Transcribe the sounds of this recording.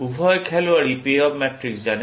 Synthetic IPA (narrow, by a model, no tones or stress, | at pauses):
ubʱɔjkʰɛlʊaɹipeɔbmɛtɹikszanɛ